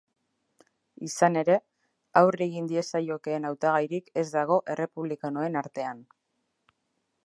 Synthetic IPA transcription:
isane̞ɾe̞ | awre̞ɣind̪ie̞sajo̞ke̞ːnawt̪aɣ̞ajɾike̞zd̪aɣ̞o̞ʔe̞re̞puβlikanoe̞naɾt̪e̞an

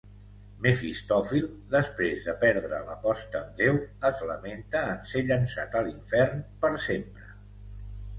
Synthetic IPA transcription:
mefist̪ɔfilˠd̪əspɾezðəpɛɾðɾə̰ləpɔst̪əːmd̪ewəzləment̪əːnseʎənsat̪əliɱfɛrnpəɾsempɾə

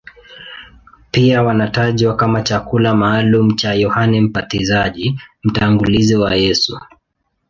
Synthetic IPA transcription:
piawanataʄwakamat͡ʃakulamaːlum̩t͡ʃajɔhanɛm̩patizaʄim̩taŋɡuliziwajɛsu

